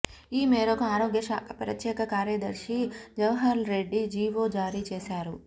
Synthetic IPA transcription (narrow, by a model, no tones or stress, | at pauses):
iːmeːɾokɐaːɾoːɡjɐʃaːkɐpɾɐt̪jɛːkɐkaːɾjɐd̪ɐɾʃid͡ʒɐʋɦɐɾlɾe̞ɖːid͡ʒiːʋoːd͡ʒaːɾiːt͡ʃeːsaːɾu